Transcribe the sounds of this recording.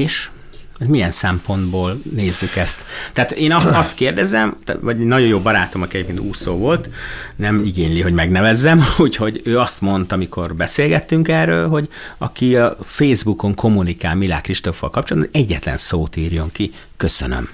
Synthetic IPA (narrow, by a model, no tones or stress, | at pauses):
eːʃ | mijɛnsɛmpo̞nd̪boːlneːzːykɛst̪ːɛːt̪eːnɒsɒst̪keːrd̪ɛzɛmt̪ʋɒɟɛnɒɟojoːbɒɾaːt̪o̞mɒkiɛɟeːpkeːnt̪uːsoːvo̞lt̪nɛmiɡeːɲliɦo̞ɟmɛɡnɛvɛzːɛmuːcho̞ɟøːɒst̪mo̞nt̪ɒmikʰo̞rbɛseːlɡɛt̪ːyŋkɛrøːlɦo̞ɟɒ̰kiɒfeːzbuko̞ŋkʰo̞munika̰ːlmila̰ːkriʃt̪o̞fːɒ̰lkɒp̚t͡ʃolɒd̪bɒɛɟːɛt̪lɛ̰nsoːt̪iːrjo̞ŋki | køsø̰nø̰m